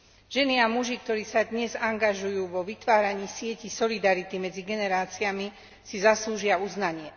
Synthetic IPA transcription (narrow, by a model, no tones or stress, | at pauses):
ʒ̥ɛniamuʒik̚t̪ɔɾiːsad̪ɲɛzaŋɡaʒujuːʋɔʋit̪ʋaːɾaɲiːsɪɛcisɔlid̪aɾit̪imɛd͡ziɡɛnɛɾaːt͡siami | sizasluːʒɪauznaɲɪɛ